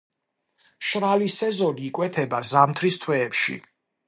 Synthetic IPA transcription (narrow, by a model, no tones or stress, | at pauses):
ʃɾalisɛzɔniːkʼwɛt̪ʰɛbazamt̪ʰɾist̪ʰwɛːpʃḭ